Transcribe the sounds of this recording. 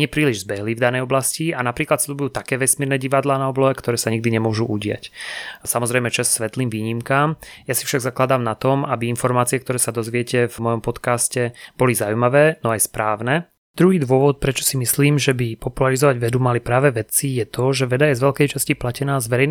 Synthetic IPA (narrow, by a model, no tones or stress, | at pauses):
ɲɪɛpɾiːliʒzbɛɦlivd̪anɛjɔblascianapɾiːklat̪sʎubujuːt̪akɛːʋɛsmiɾnɛɟiʋad̪laːnaɔblɔɦɛkt̪ɔɾɛːsaɲiɡ̚d̪iɲɛmʊɔʒuʔuɟɪa̰csamɔzɾɛjmɛt͡ʃassʋɛt̪liːmʋiːɲimkaːmjasifʃaɡzaklad̪aːmnat̪ɔmabiinfɔɾmaːt͡siɛkt̪ɔɾɛːsad̪ɔzʋɪɛcɛvmɔjɔmpɔt̪kaːscɛb̥ɔlizaujmaʋɛːnɔajspɾaːʊnɛ | d̪̥ɾuɦiːd̪ʋʊɔʋɔt̪̚pɾɛt͡ʃɔ̥simisliːmʒɛbipɔpulaɾizɔʋaɟʋɛd̪umalipɾaːʋɛʋɛt͡sijɛt̪ɔʒɛʋɛd̪ajɛzʋɛlkɛjt͡ʃasciplacɛnaːzʋɛɾɛjn